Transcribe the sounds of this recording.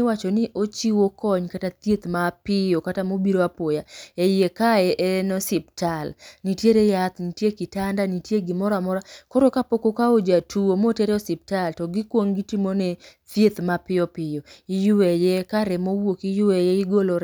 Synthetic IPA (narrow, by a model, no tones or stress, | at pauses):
wat͡ʃɔnɪʔot͡ʃiwokɔɲkatat̪jet̪mapɪjokatamobiɾoapojaejekaɛʔɛnɔsɪp̚talnitjeɾejat̪nitjekɪtandanitjeɡɪmɔɾamɔɾakoɾokapokokaod͡ʒatʰuomotɛɾɛɔsɪp̚taltɔɡɪkwoŋɡitimonet̪jet̪mapɪjɔpɪjɔɪjʊwɛjɛkaɾɛmowokijʊwɛjɛɪɡoloɾ